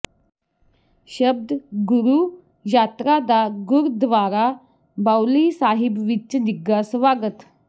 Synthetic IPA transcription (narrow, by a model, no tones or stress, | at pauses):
ɕəb̚d̪ɡuɾu | jat̪ɾad̪aɡuɾd̪ʋaɾa | bawlisaɦibʋit͡ɕːəd̪iɡasʋaɡət̪